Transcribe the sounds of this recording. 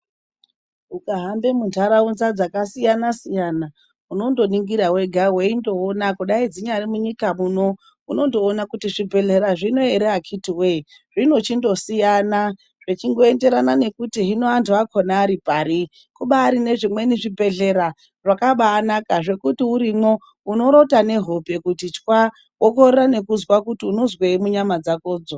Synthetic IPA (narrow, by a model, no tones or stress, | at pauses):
ukaɦambe̞muntaɾaunzad͡zakasijanasijana | uno̞ndo̞niŋɡiɾawe̞ɡʱaweindo̞ːnakuɗaid͡ziɲarimuɲikamuno̞ | uno̞ndo̞ːnakutiʐibʱe̞ɮe̞ɾaʐino̞eɾeakʰitiwe | ʐino̞t͡ʃindo̞sijana | ʐ̥et͡ʃiŋɡo̞e̞nde̞ɾanane̞kutiɦinoantuakʰonaːɾipaɾi | kuɓaːɾine̞ʐimwe̞niʐibʱe̞ɮe̞ɾa | ʐakaɓaːnakaʐe̞kutiuɾimo̞ | uno̞ɾo̞tane̞ɦo̞pe̞kutit͡ʃkwa | okorerane̞kuzwakutiunozweimuɲamad͡zakoːd͡zo